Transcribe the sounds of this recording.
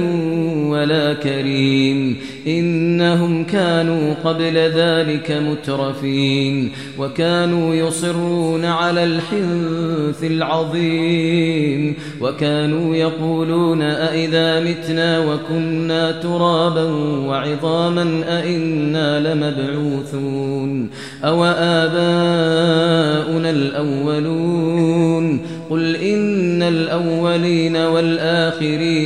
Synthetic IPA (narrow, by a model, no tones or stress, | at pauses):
walaːkaɾiːm | ʔɪnːaɦʊmkaːnuːqɑblaðaːlɪkamʊt̪ɾˤɑfiːn | wakaːnuːjʊsˤɨrːuuːnaʕalaːlħɪnθɪlʕɑðˤiː | m | wakaːnuːjɑquːluːnaʔaʔɪðaːmɪt̪naːwakʊnːaːt̪ʊɾˤɑːbanwaʕɪðˤɑːmanʔaʔɪnːaːlɪmabʕuːθun | ʔawaʔaːbaː | ʔʊnalʔawːaluːn | qʊlʔɪnːalʔawːaliːnawalʔaːxɪɾiː